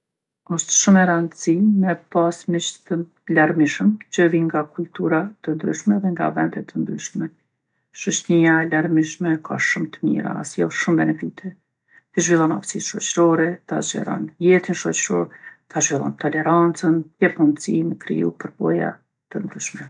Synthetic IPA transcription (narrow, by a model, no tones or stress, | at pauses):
ɔʃt̪ʃumɛɾand̪əsimɛpasmɛt͡ʃθən | laɾmiʃəmt͡ʃəviŋɡakult̪uɾat̪ənd̪ɾyʃmɛðɛŋɡa̰vɛ̰nd̪ɛt̪ənd̪ɾyʃmɛ | ʃət͡ʃniaɛlaɾmiʃmɛkʰa̰ʃumt̪əmḭɾa̰a̰sjɔʃumbɛnɛvit̪ʰɛ | t̪iʒvilˠɔna̰fsit̪ʃɔt͡ɕɾɔɾɛt̪a̰d͡ʒɛ̰ɾɔ̰njɛt̪inʃɔt͡ɕɾɔ̰ɾt̪aʒvilˠɔ̰nt̪ɔlɛɾant͡sənjɛfhund̪siməkɾḭṵpəɾbɔja̰ | t̪ənd̪ɾyʃmɛ